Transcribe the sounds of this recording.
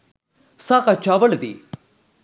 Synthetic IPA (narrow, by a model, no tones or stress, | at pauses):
saːkat͡ʃaːʋəld̪ḭː